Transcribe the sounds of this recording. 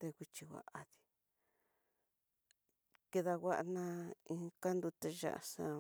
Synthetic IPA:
t̪e˧kʷi˧t͡ʃi˧wa̰˧ʔa˧ði̥˧ | ke˧ða˧ɣʷa˦ʔa˧nã˦ĩ˧ka˦nd̪u˧t̪e˧ʒa̰˦ʔa̰˧sã˧

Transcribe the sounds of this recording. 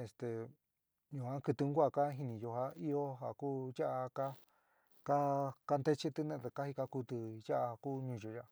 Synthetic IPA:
e˧st̪e˨ | ɲũ˧˨kʷã˦kɨ˧t̪ɨ˧ŋ˦ɡʷa˦˧˨ka˦ɦi˧nĩ˧jo˧ɦa˧i˦o˦ɦa˨kuː˦ʒa˦ʔa˧ka˦ | ka˦ka˧nd̪e˦t͡ʃi˦t̪ɨ˧nẽ˧˨˧t̪e˧˨ka˦hi˧ka˧ku˧t̪ɨ˧ja˦ʔa˧kuː˦˧ɲũ˧ʒo˧˨ja˧ʔ

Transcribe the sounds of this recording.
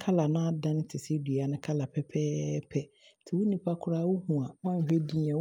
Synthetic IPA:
kʰa˦la˨nʊ̃˦a˦dã˦nɪ̃˦tʰɪ˨se˦di˨a˨nɪ̃˦kʰa˦la˨pʰɛ˦pʰɛː˦pʰɛ˦ | tʰɪ˨wʊ˦nĩ˨pʰa˦kʰʊ˦ɾa˦wʊ˦hũ˨a˨wã˦˨fe˦di˦ã˨

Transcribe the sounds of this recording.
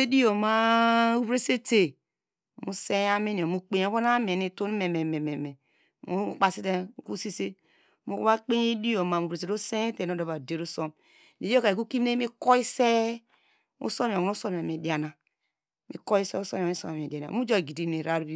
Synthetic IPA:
e˦di˦o˨ma˦u˦bɾe˦se˦te˨ | mu˨se˦a˦mi˦ni˨o˨mu˦k͡pe˨ɲ˨o˦βo˦na˦me˨ni˦tu˦n˦me˨me˨me˨me˨me˨ | mu˦k͡pa˦si˦te˦˨ku˦si˦se˦ | mu˦kba˦k͡pe˦ɲe˦di˦o˨ma˨u˨ɾe˨se˨ɾo˦se˦te˨no˦da˨βa˨de˨ɾu˦so˦m | di˨jo˦ka˨e˨ku˦ki˦m˦e˦mi˦ko˦i˦se˦ | ṵ˦so˦m˨nu˦so˦mi˨a˨mi˨di˨a˨na˨ | mḭ˨ko˦i˦se˦u˦so˦m˨i˦so˦ma˨mi˨di˨a˨na̰˨mu˦d͡ʒo˦˨ɡi˨di˦ni˨ɾa˦ɾbi˦

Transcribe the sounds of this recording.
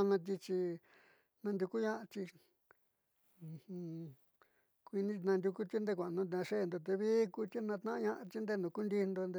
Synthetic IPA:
nã˧t̪̬i˧t͡ʃi˧ | nã˧nd̪ʲu˧ku˦ɲã˦ʔa˧t͡ʃ̪i˧˨ | hũ˧ | kʷi˧nĩ˦˧nã˧nd̪ʲu˧ku˦t̪i˦nd̪e˧kʷã˨˧nũ˧ã˧ʂe˦˨nd̪o˧t̪e˧βi˦ku˧t̪i˦nã˧t̪nã˦ã˧ɲã˦˧ʔa˧t͡ʃ̪i˦nd̪e˧nũ˧ku˦nd̪i˧nd̪o˧nd̪e˧

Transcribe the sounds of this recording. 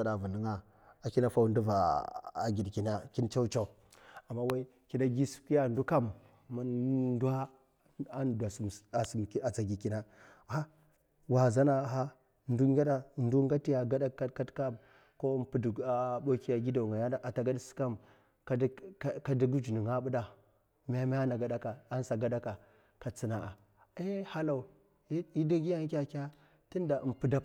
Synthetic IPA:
sa˦da˨vu˨nə˦ŋa˦ | a˨ki˦na˦fa˦wndu˦va˨a˨ɡi˨dki˨na˦ki˦nt͡ʃa˦u˦t͡ʃa˦u˨ | a˨mːa˦wa˦i˦ | ki˦na˦ɡi˦su̥˨˦ki˦ja˦˨ndu˦ka˦mː | a˦nndu˦a˦ | a˦nda˨sa˨sm˨ka˨t͡sa˨ɡi˨ki˨na˦ | ha˦ | wa˨za˦na˦˨ɦa˦ | n˦du˦ŋ˦ɡa˦ɗa˦˨n˦du˦ŋɡa˦ti˦ja˨ɡa˦da˦ka˦ka˦tka˦m | ko˦pu˨da˨ɓo˦ki˦ja˨ɡi˦da˨ŋa˨ja˦da˨ʔa˨ta˨ɡa˦dsi̥˦ka˦m | ka˦ka˦di˦ɡu˦d͡ʒu˨ni˨ŋa˦ɓu˦da˦ | m˦a˦ma˦a˦na˨ɡa˨da˦ka˨a˦n˦sa˨ɡa˦da˦ka˨ | ka˨t͡si˦na˨a˨ | e˦ha˦la˨u˨˦ | i˦da˦ɡʲi˦ja˦ŋ˦kʲa˦kʲa˦ | ti˦nda˨ʔmpu˦da˦˨

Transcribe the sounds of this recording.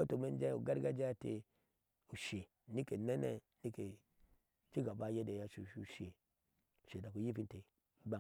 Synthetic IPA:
o˦to˨me˦n˦d͡ʒa˦u˨ɡa˦ɾɡa˦d͡ʒa˦tḛ˨ | u˨ʃe˨ | ni˦ke˨ne˦nḛ˦ | ni˦ke˨ | t͡ʃi˦ɡa˨ba˦je˦de˨ja˦ʃu˨u˨ʃe˨ | u˨ʃe˨da˨ku˨ji˦fi˦nte˨˦ | ba˦˨

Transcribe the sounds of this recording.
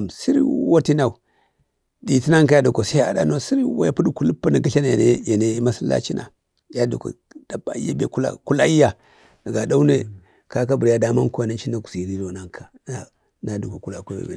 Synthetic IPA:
msi˦ɾwa˦ti˦na˨u˨ | di˨ti˦na˦ŋka˦ja˦du˨ko˨sa˦a̰˨da̰˦no˦si˦ɾwa̰˦ja˨pu˦du˦ku˨lu˦pːa˦ni˨ɡi˦ɬa˦na˨ja˨ne˦ja˨ne˦ma˦si˦la̰˦t͡ʃi˦nʔa̰˨ | ja˦dṵ˨ko̰˨ | da˨ba˨ḭ˦ja˦bḛ˨ku˦la̰˦˨ku˦la˦i˦ja˨ | na˨ɡa˨da˦u˦ne˦ | ka˦ka˦bu˨ɾja˦da˨ma˦ko˦a˨na˦t͡ʃi˦na˨ku̥˨si˨ɾi˦do˨na˦ŋkʰa˨na˨ | na˨du˨ko˨ku˦la˨kʷe˦bḛ˨bḛ˨

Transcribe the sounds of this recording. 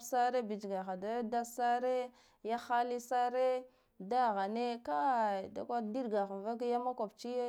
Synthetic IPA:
sa˦ɾe˦bi˨d͡ʒɡa˨xa˨da˦da˦sa˦ɾe˦ | ja˦xa˦li˦sa˦ɾe˦ | da˦˨ɣa˨ne˦ka˦˨da̰˨kʷa˦di˦ɾɡa˨xa˨n˨va˦ka˦ja˦ma˦kʷa˨bt͡ʃi˦j

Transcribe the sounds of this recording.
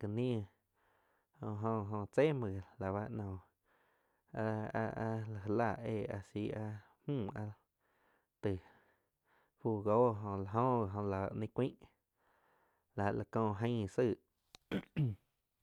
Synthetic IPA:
ki˧nĩ˦˧ | hõ˧ɦõ˧ɦõ˧t͡se˦mə̃˨la˨βa˧ʔnɔ̃˨ | a˧a˧ʔa˧la˨ɦla˦˧˨eː˧˨a̰˧si˧a˧ | hũː˦˨a˧ | t̪ɨ˨ | ɸuː˧˨ɡo˦ɦõ˧˨la˧˨ɦõ˦a˨ɦõ˧la̰˨˧ʔnẽ˧˦kʷĩ˦ʔ | la˨la˨kõː˧˨ɦə̃˧˦˨sɨ˧˨ʔ

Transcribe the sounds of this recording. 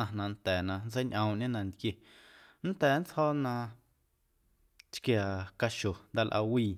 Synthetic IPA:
ã˧nã˧nt̪ɛː˨nã˧nt͡se˦jɲʔə̃˧˨ʔɲẽ˦nã˧nt̪kje˧˨ | nt̪ɛː˨nt͡shɔ˦ʔnã˧ | t͡ʃkja˨ka˧ʃo˨nd̪a˧lʔa̰˧wiː˧˨

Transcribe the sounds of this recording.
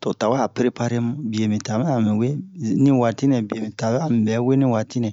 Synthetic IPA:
to˨ta˨wa˦˨pɾe˦pa˦ɾe˦mũ˦˨bi˨e˨mĩ˨ta˨mɛ˦a˨mĩ˨we˦nĩ˦wa˧˨ti˦nɛ̃˨bi˨e˨mĩ˨ta˨˦a˦˨mĩ˨bɛ˨˦we˦nĩ˦wa˨ti˦nɛ̃˨

